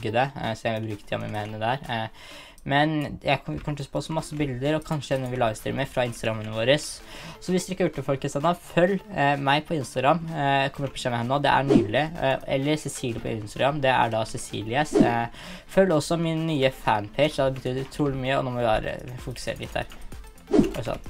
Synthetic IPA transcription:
ɡəd̪ɛsɔmjæɪʋɪlbɾʉːkə̥t̪ʰɪɔ̰mʋɪ̰meːnəd̪æːɾ | mɛnjæɪkʰɔkʰɔmʈ̪ʰʉspʰɔsɔmːɑsːəbɪld̪əɾɔkʰɑnʂəɛnːəʋɪlɑːɡst̪ʰɪ̰lmɛɪfɾɑɪnst̪ɑɡɾɑmːənːəʋoːɾəsːɔʋɪsd̪ʉɪkːɑjʉːʈːəfɔlkhɪst̪ɑnɑfœlːmæɪpʰɔɪnst̪ɑɡɾɑmːkʰɔməɾt̪pʰːɔʂɛmːɛɛnːoːd̪ɛ̰ʔæ̰ɳyːlɪɛ̰lːəɾsɛsiːlɪəpʰɔ̰ʔɪnst̪ɑɡɾɑmːd̪ɛæ̰ɖɑsɛsḭːlɪəs | fœlːɔsːɔmɪnːyːəfænpʰeɪt͡ʃd̪ɑd̪ɛbət̪ʰyːd̪əɾt̪ʰɾuːlɪmyːəɔ̰noːmɔʋɪʋæ̰ːɾə̰fʊkʉ̥sḛːɾəlɪt̪d̪æ̰ːɾ̰ | sɑ̰n

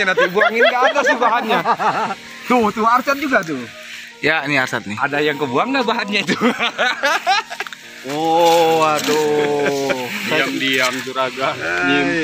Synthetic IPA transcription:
anant̪ibuaŋiniɡaadasibaɦat̪ɲa | t̪ʊht̪ʊart͡ʃat̪̚d͡ʒuɡat̪̬ʊ | janiarsat̪̚niadajaŋkəbuaŋnabaɦat̪̚ɲait̪u | ɔadɔ | iamdiamt̪uɾaɡaim

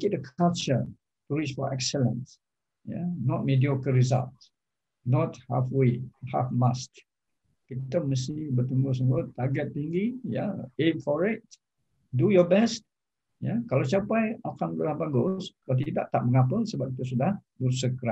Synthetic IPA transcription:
ɡɛt̚əkʰalt͡ʃə̰ | tuɹisfɔ̰ʔɛksələ̰̃ns | ja̰nɔt̚mediokəɹiza̰lts | nɔt̚ha̰fweha̰fmast | kit̪əməst̪ibət̪uŋɡʊhs̬əŋɡʊt̪aɡɛt̪̚piŋɡija̰emfɔɹɪt̚ | dujɔbɛst̚ | jakalasiapajakãnɡulahbaɡʊskalat̪̬ida̰ʔt̪aʔ̚mə̃ŋapəlsəbap̚kit̪əsudahbəsəkɾa

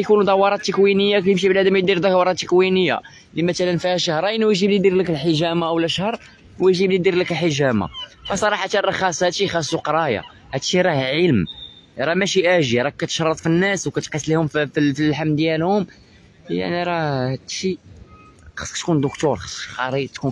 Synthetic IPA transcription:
kunud̪ˤɑwːɑɾˤɑt̪ːəkwinəjːakæjəmʃ̬iblæd̪əmjəd̪iɾd̪ɑkwɑɾˤɑt̪ːəkwinəjːa̰ | limæt̪ælənfihæʃəhɾˤɑjnwʒiblid̪iɾləkəlħəʒæmaʔwlæʃhəɾˤ | wəʒiblid̪iɾləkəlħəʒæma̰fæsˤɑɾˤɑħat̪ærˤɑxɑsˤæt̪ixɑsuqɾˤɑja̰ | hæt̪ʃiɾˤɑhʕəlm | ɾˤɑmæʃiʔæʒiɾˤɑkːæt̪ʃɾˤːət̪ˤfinːæswkæt̪qisˤlihʊmffifilħamːd̪jælhʊm | ja̰ʕniɾˤɑd̪ʃi | xɑ̥sˤːəkt̪kund̪ʊkt̪oɾˤxə̥sˤxɑɾˤit̪ku

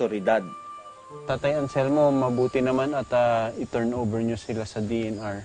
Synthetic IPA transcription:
oɾɪd̪ad̪̚ | t̪aːt̪ajɐnsɛlmo̞mɐbuːt̪ɪnɐmanɐt̪aɪt̪ɛɹnʔowbɛɹɲosɪlasɐd̪iɛnaɹ

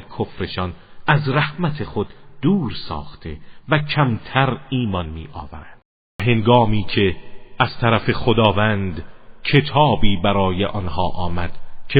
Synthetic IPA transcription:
kʰofɾe̞ʃɒnæzɾæhmæt̪ʰe̞χod̪d̪̥uːɾsɒ̰ːχt̪ʰe̞væcʰæmt̪ʰæɾiːmɒnmḭːʔɒ̰ːvæɾæd̪̥ | ɦe̞ŋɡɒːmiːcʰe̞æz̥t̪ʰæɾæfe̞χod̪ɒːvænd̪cʰe̞t̪ʰɒːbiːbæɾɒːjeʔɒnhɒːʔɒːmæd̪̥cʰe

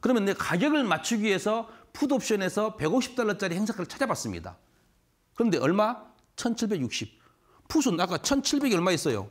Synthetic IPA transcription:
kɯɾʌmjʌnːekaɡjʌɡɯɭmat͡ɕʰuɡiɦe̞sʰʌpʰudop̚ɕ͈ʌne̞sʰʌpe̞ɡoɕʰi̥p̚t͈aɭːʌt͡ɕ͈aɾihe̞ŋsʰakʰaɯɭt͡ɕʰad͡ʑabas͈ɯmɲḭda̰ | kɯɾʌnde̞ʌɭma | t͡ɕʰʌnt͡ɕʰiɭbe̞ɡjuk̚ɕ͈ip̚ | pʰus̬ʰunak͈at͡ɕʰʌnt͡ɕʰiɭbe̞ɡʌɭmaes͈ʌjo̰

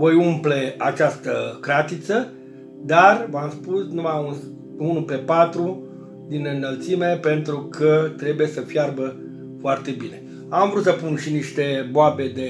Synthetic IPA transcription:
vojumple̞at͡ʃast̪əkɾat̪it̪sə | d̪arvamspusnumaun | unupe̞pat̪ɾu | d̪inɨnːəlt̪sime̞pe̞nt̪ɾukʰət̪ɾe̞buje̞səfjarbə | foart̪e̞bine̞ | amvɾut̪səpunʃiniʃt̪e̞boabe̞d̪e̞

